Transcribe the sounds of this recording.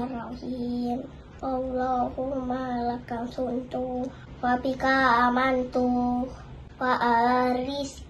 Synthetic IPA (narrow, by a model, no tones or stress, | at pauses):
rahim | ʔawlahumalakaŋsunt̪u | wapikaːmant̪u | waʔaɾis